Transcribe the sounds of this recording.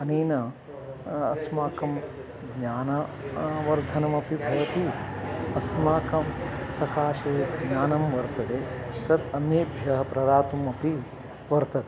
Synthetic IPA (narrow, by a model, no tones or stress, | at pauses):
ɐneːnɐː | smaːkɐm | ɡɲaːnɐʋɐɾd̪ʱɐnɐmɐpibʱɐʋɐt̪iɐsmaːkɐmsɐkaːʃɐjeɡɲaːnɐmʋɐɾt̪ɐt̪eːt̪ɐt̪ɐneːbʱjɐɦɐpɾɐd̪aːt̪umɐpi | ʋɐɾt̪ɐt̪e